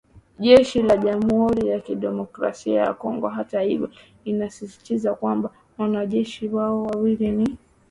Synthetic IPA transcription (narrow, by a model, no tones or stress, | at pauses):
ʄɛʃilaʄamuhuɾijakiɗɛmɔkɾa̰siaja̰kɔŋɡɔɦatahivjɔ | inasisi̥tizakwamba | wanaʄɛʃiwaɔwawilini